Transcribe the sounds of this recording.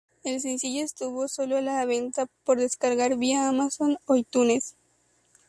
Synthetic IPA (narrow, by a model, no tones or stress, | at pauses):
e̞ls̬ensiʝoest̪uβo̞so̞loalaβe̞nt̪apo̞ɾðeskaɾɣaɾβiaːmaso̞noit̪une̞s